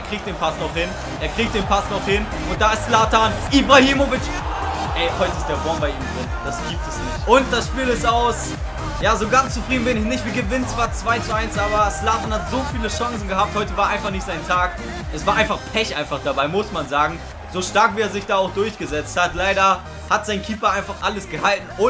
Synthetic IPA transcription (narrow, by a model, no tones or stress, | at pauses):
eɐkʁ̥iːk̚td̥eːnpʰasnɔχhɪn | ʔeːɐkʁ̥iːk̚t̚d̥eːnpʰasnɔχhɪn | ʊnt̚d̥aːɪstslaːtaːnʔibʁahiːmovɪt͡ʃʔɛɪhɔʏtəɪstd̥eːɐbɔɐnbaɪiːmdʁɪnd̥asɡ̥iːp̚tɛsnɪçtʔʊnt̚d̥asʃpiːlɪstʔaʊs | jaːzoːɡant͡st͡sufʁ̥iːdn̩bɪnɪçnɪçtv̥iːɐɡəvɪnənt͡sv̥aːɐt͡sv̥aɪt͡suaɪnsʔaːbɐslaːtaːnhatz̥oːfiːləʃaŋsn̩ɡəhap̚thɔʏtəvaːɐʔaɪnfaχnɪçtz̥aɪntʰaːk | ʔɛsv̥aːɐʔaɪnfaχpʰɛçʔaɪ̃nfaχd̥abaɪmʊsmanzaːɡŋ̩ | z̥oːʃtaɐkv̥iːeːɐzɪçd̥aːʊxd̥ʊɐçɡ̥əzɛt͡sthatlaɪɾɐ | hatz̥aɪnkʰiːpɐʔaɪnfaχʔaləsɡ̥əhaltn̩ʔʊ